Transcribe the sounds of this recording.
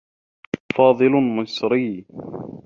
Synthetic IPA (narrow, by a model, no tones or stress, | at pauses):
fɑːðˤɨlmʊsɾiː